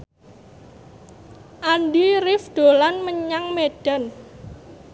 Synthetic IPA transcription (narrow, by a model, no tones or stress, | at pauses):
ʔanɖiɾɪfd̪̥o̤lanməɲaŋmeɖ̥an